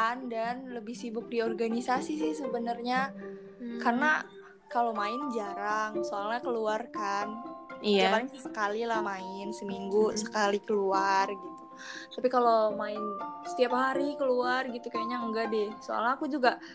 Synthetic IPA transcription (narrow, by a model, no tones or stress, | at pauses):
andanləbɪhsibʊk̚diɔrɡanisasisɪhsəbənərɲa | karna | kalomaɪnd͡ʒaɾaŋsoalɲakəluarkandapalɪŋt̪isəkalilahmaɪnsəmiŋɡusə̥kalikəluarɡit̪u̥ | t̪apikalomaɪnsə̥t̪iaphaɾikəluarɡit̪ukajaɲaəŋɡadɪhso̰a̰lɲakud͡ʒuɡa